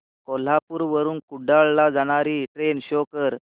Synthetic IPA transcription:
kɔl̤apuːɾʋəɾuːnkuɖaɭlad͡zaɽ̃aɾiːʈɾenɕɔkəɾ

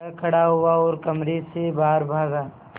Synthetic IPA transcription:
akʰɐɽaɦʊaɔːɾkɐmɾesebaːɾbʱaːɡaː

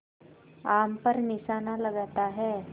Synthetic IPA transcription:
ampəɾnisanaləɡat̪aɦɛ

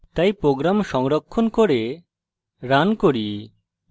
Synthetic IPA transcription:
t̪ajpɾoɡɾamʃɔŋɾokʰːonkoɾe | ɾankoɾi

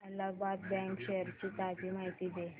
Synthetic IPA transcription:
ələɡbad̪̚bɛ̃ŋkɕeəɾt͡ɕit̪ad͡ʑimaɦit̪id̪e

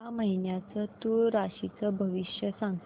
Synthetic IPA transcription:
aməɦinjat͡sət̪uɾaɕit͡səbʱəʋiɕjəsãŋ

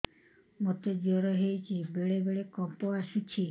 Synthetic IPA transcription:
mot̪ed͡ʒɔɾɔɦejt͡ʃʰibeɭebeɭekɔmpɔasut͡ʃʰi

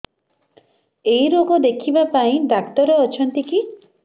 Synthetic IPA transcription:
ejɾoɡɔd̪ekʰibapaĩd̪akt̪ɔɾeɔt͡ʃʰɔnt̪iki

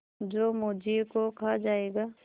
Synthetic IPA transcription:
d͡ʒoːmod͡ʒikokʰad͡ʒaːeːɡaː

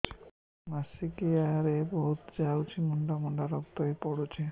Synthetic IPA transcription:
masikeaɾebɔɦut̪d͡ʒawt͡ʃʰimɔɳɖamɔɳɖaɾɔk̚t̪oepɔɽut͡ʃʰe

